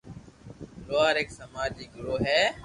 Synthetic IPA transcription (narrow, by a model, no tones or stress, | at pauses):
loːaːɾeːksəmaːd͡ʒiːɡɾoːɦɛː